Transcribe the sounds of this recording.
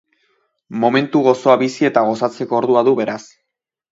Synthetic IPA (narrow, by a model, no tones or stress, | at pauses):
mo̞me̞nt̪uɣo̞so̞aβisie̞t̪aɣ̞o̞sat͡se̞ko̞ːɾðuaðuβe̞ɾas